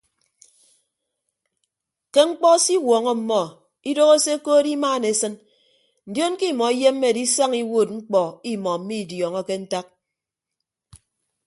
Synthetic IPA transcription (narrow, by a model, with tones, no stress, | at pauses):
ke˦ŋ͡m̩˦k͡pɔ˦si˦wɔː˨ŋɔ˦m̩˦mːɔ˦ | i˦do˦ɣo˦se˦koː˦di˦maː˦˨ne˨˦sɨ˦n | n̩˨djo˦nki˦˨mɔ˨i˦je˦m̩ː˦e˦˨di˦sa˦ŋi˦woː˦˨t̚ŋ͡m̩˦k͡pɔ˨i˦mɔ˨m̩˦mi˦˨djɔ˨ŋɔ˦ke˦n̩˦ta˦k̚